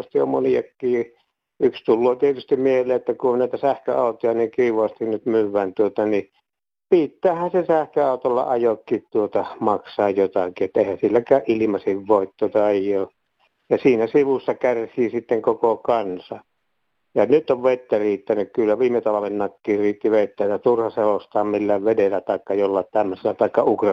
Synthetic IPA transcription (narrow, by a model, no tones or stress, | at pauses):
st̪io̰mmonijɑkːiː | ykst̪ulːoːt̪iet̪yst̪immieheleːet̪ːækuonnæˑit̪æsæhkø̰ɑˑut̪ojɑniːkiiʋɑst̪innyt̪myʋːænt̪uot̪ɑni | pit̪ːæːhænsesæhkøɑˑut̪olːɑ̰ɑjokːiːt̪t̪uot̪ɑmɑksɑːjjot̪ɑkiet̪ːæeˑihænsilːækæːʔʔilimɑsiʋʋoˑit̪t̪uot̪ɑejoː | jɑsiːnæsiʋusːɑkærsiːsit̪ːeŋkokokɑnsɑ | jɑnyt̪ːoʋʋet̪ːæriːt̪ːænykkylːæʋiːmːet̪ɑʋɑlːinnɑkːiːriːt̪ːiʋeˑit̪ːæːt̪ːæt̪urhɑselost̪ɑːmmilːæʋʋedelːæt̪ɑˑekːɑjolːɑtt̪æmːøselːæt̪ɑˑekːɑukrɑ